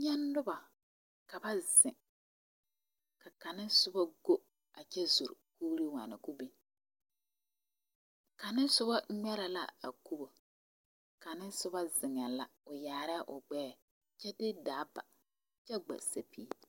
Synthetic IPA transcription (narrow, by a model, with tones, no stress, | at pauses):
ɲɛ˦nːʊ˦ba˨ | ka˨ba˦zɪ˨ŋ | ka˨ka˨nɪ˦sʊ˦ba˦ɡo˦ | a˨t͡ʃɛ˦zu˨ɾkuː˦ɾi˦wa̰˨nɪ̰˨ku˦bi˦ | ka˨nɪ˦n˦sʊ˦ba˦ɲɛ˦ɾa˨la̰˦a̰˨ku˦bo˨ | ka˨nɪ˦nsʊ˦ba˦zɪ˨ŋa˨la˨ʊ˨jaː˨ɾa˦ʔʊ˨ɡ͡bɛː˦˨ | t͡ʃɛ˦dɪ˦daː˨˦ba̰˨ | t͡ʃɛ˦ɡ͡ba̰˨sa̰˨pʰiː˦